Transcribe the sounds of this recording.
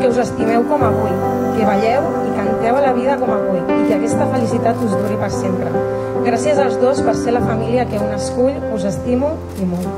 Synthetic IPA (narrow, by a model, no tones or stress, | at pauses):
keuzəst̪imɛwkɔmaβuj | keβ̞aʎɛw | ikənt̪ɛwəlaβið̞əkɔməβ̞ujikeakɛst̪əfəlisit̪at̪uzðuɾipəɾsempɾə | ɣɾasiəzəlˠzðospəɾseləfamiliəkeunəskuʎ | uzəst̪imu | imol